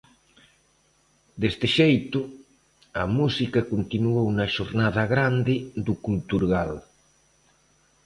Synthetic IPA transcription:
d̪est̪eʃejt̪u | ɐmusikakont̪inuownaʃoɾnað̞aɣɾand̪ɪd̪ukult̪uɾɣal

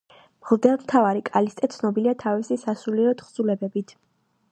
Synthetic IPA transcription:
mlˠd̪ɛlˠt̪ʰavaɾikʼalist̪ʼɛt̪sʰnɔbiliat̪ʰavisisasuliɾɔt̪χzulɛbɛbit̪ʰ

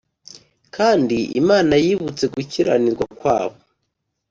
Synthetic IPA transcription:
kʰaːndiʔḭmaːnajiβut͡se̞ɡuciɾa̰niɾɡwakwaːβo

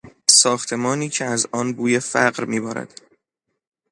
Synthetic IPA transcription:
sɒːxt̪ʰe̞mɒːniːcʰeæzɒːnbuːjefæɢɾmiːbɒːɾæ̰d̪̥

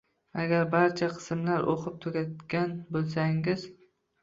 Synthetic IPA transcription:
aɡʲaɾbaɾt͡ʃʰaqʰɨ̥smlaɾʔo̰qʰɨp̚t̪ʰɵɡʲat̪̚ɡʲanbolˠs̬aŋɪz

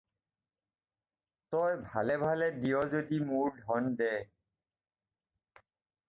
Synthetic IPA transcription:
tɔjbʱalɛbʱalɛdijɔzodimuɹdʱɔndɛ

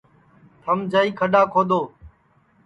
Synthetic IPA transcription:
t̪ʰəmd͡ʒʱaːiːkʰəɗaːkʰoːd̪oː

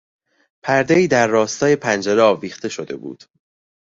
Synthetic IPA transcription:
pʰæɾd̪eiːd̪æɾːɒːst̪ɒːje̞pʰænd͡ʒeɾeɒːviːxt̪e̞ʃo̞d̪e̞̰bṵːd̪̥

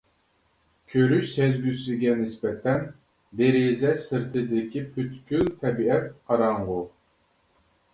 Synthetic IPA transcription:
kʲʰøɾyʃsezɡʲysɪɡʲɛnɪsbɛt̪ʰɛn | d̪eɾezɛsɨɾt̪ʰɨd̪ɪkʲipʰyt̪kʲylt̪ʰɛbiɛt̪̚qʰɑɾɑɴʁʊ

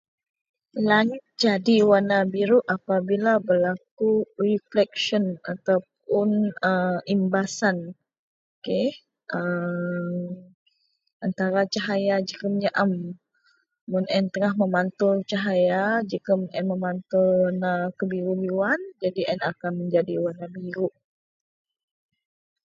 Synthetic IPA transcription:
laŋɪt̪̚d͡ʒadiwanːabiɾuʔapabilabəlakuriflɛk̚ʃənat̪awp̚ʊnəimbasan | oke | ʔə | m | ʔant̪aɾat͡ʃaɦajad͡ʒikaməɲaʔam | munʔɛnt̪əŋaɦməmant̪ʊrt͡ʃaɦajad͡ʒikamunʔɛnməmant̪ʊrnakəbiɾubiwand͡ʒadiʔɛnakanməɲd͡ʒadiwanabiɾuʔ

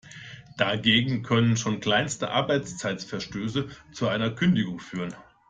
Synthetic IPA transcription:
d̥aɡeːɡŋ̩kʰœnənʃoːnkl̥aɪnstə̰ʔa̰ɐbaɪt͡st͡saɪtsfɛɐʃtøːsət͡suʔaɪnɐkʰʏndɪɡʊŋfyːʁən

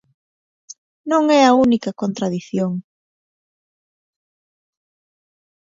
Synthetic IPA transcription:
nõŋɛɐunikɐkont̪ɾaðiθjoŋ

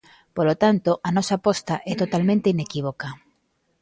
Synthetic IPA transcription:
polot̪ant̪oʔanɔsapɔst̪aʔɛt̪ot̪almẽnt̪einekiβoka

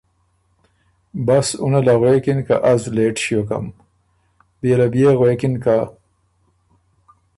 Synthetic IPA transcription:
basṵnalaɣwekinka̰ʔazleʈɕjoka̰m | bijelabijeɣwekinka

